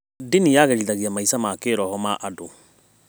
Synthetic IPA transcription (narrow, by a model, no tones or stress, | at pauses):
dinijaɣɛɾiðaɣiamaisamakeɾɔhɔmaʔado